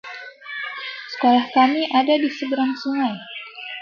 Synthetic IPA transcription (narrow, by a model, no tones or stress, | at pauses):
sə̥kolahkamiʔadadisəbəɾaŋsuŋaj